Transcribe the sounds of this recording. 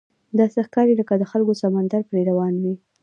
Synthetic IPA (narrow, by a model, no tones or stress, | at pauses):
d̪ɑsexkɑɾeləkad̪əxalkosamand̪aɾpɾeɾawɑnwi